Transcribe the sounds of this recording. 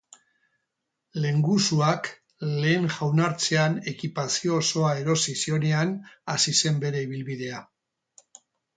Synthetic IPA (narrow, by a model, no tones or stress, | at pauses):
le̞ŋɡusuak | le̞ːŋʝawnaɾt͡se̞ane̞kipasio̞so̞ae̞ɾo̞sisio̞ne̞anasise̞mbe̞ɾe̞iβ̞ilβið̞e̞a